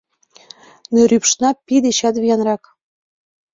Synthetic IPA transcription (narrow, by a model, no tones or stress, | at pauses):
nøɾypʃnɑpid̪eɕɑt̪βijɑnrɑk